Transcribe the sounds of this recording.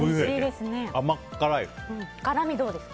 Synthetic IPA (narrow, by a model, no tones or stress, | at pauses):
eid̪esɨneamakːaɾajɯ̃ɴkaɾamʲid̪o̞ːd̪e̞s